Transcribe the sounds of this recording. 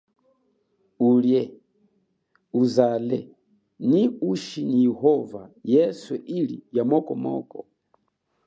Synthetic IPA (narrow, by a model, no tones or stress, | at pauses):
uljɛ | uzalɛ | niuʃinijɛhɔvajɛsɛʔilḭjamɔkɔmɔ̰kɔ